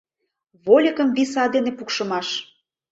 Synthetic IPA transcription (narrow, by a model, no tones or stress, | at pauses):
βolʲəkə̆mβisɑd̪enepukʃə̆mɑʃ